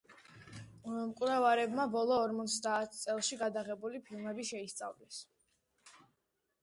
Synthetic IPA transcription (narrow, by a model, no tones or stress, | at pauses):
mkʼwɾɛvaɾɛbmabɔlˠɔːɾmɔt̪sʰd̪aːt̪ʰt̪sʼɛlˠʃiɡad̪aʁɛbulipʰilˠmɛbiʃɛist̪sʼa̰vlɛs